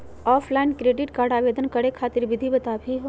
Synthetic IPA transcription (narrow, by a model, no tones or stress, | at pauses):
ɔːpʰlaɪnkɾeːɖɪʈkaːɾɖaːʋeːd̪ənkɐɽekʰaːt̪ɪɾʋɪd̪ʱibɐt̪aːbʱiɦo